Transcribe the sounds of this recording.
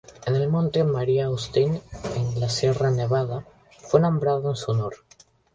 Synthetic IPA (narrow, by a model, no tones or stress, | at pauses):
enelmõnt̪emaɾiaust̪enenlasjeraneβ̞að̞a | fwenõmbɾaðoensunoɾ